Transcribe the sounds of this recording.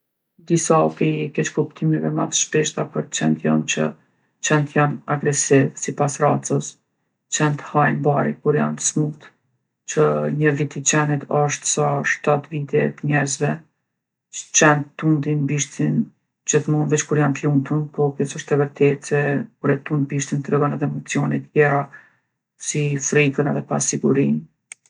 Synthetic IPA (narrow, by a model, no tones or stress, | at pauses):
d̪isaɔpikɛt͡ʃkupt̪ʰimɛvɛmat̪əʃpɛʃt̪apəɾt͡ʃɛnt̪jɔ̰nt͡ʃə̰ | t͡ʃɛnt̪janaɡɾɛsivsipasrat͡səs | t͡ʃɛnt̪əhajnbaɾḭkuɾja̰nt̪ə̥smut̪ | t͡ʃəɲəvit̪it͡ʃɛnit̪ʰɔʃt̪saʃt̪at̪vit̪ɛt̪əɲɛɾzvɛ | ə̥t͡ʃɛnt̪t̪ːund̪inbiʃt̪in | d͡ʒəθmɔnvɛt͡ʃkuɾjant̪lunt̪unpɔkɛsɔʃt̪ɛvəɾt̪ɛt̪ɛkuɾɛt̪ːund̪biʃt̪int̪ɾɛɡɔnɛðɛmɔt͡siɔnit̪jɛɾa | sifɾikənɛðɛpa̰siɡuɾin